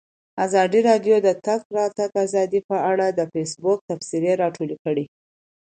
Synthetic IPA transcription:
azɑd̪iɾɑɖjod̪ət̪aɡ̚ɾɑt̪aɡazɑd̪ipəaɽad̪əfes̬bʊk̚t̪afsiɾeɾɑʈʰolekəɽi

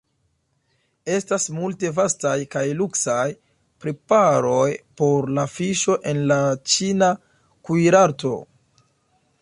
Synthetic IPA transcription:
e̞stasmulte̞vastajkajluksaj | pɾepaɾo̞jpo̞ɾlafiʃo̞ʔe̞nlat͡ʃina | kujɾaɾto̞̰

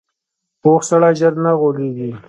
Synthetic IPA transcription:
oxsaɽaʒəɾnaɣoleɡi

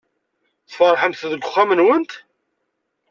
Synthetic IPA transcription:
θfəɾˤħəmθðəɡʷʊχːæmənwənt̪

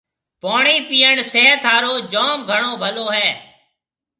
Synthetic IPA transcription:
poːɳiːpiːəɳseɦət̪ʰaːɾoːd͡ʒɔːmɡʱəɳoːbʱəloːɦɛː

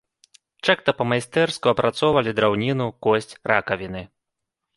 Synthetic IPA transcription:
t͡ʂakt̪ɐpɐmajst̪ɛrskuɐpɾat̪sɔwvɐlʲid̪ɾawnʲinukɔsʲt͡sʲrakɐvʲinɨ

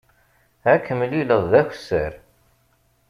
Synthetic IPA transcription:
ækːəmliləðˤðæç̥ʷsːəɾ

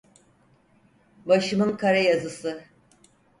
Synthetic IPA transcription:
baʃɯmɯnkʰaɾajazɯsɯ

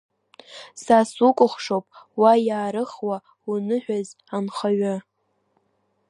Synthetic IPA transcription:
sasukʷʼʊχʷʂowpʼwajaːɾɨχwa | unɨħʷᶣaz | anχaɥa

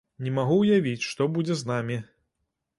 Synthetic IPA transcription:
nʲɛmaɣuwjavʲit͡sʲʂt̪ɔbud͡zʲɛznamʲi

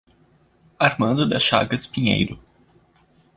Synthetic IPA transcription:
aɾmɐ̃d̪ʊd̪ɐʃa̰ɡɐspiɲḛjɾʊ

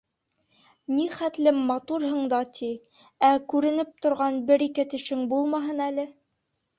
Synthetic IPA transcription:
niχæt̪lɘmːɑt̪uɾɦɤ̆ɴd̪ɑt̪ʰi | ækʉɾɘ̆nɘp̚t̪ŏɾʁɑnbɘɾikɘt̪ɘ̆ʃɘŋbulˠmɑɦɤnælɘ

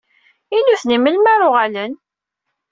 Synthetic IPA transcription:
inuθniməlmæɾˤʊʁalən

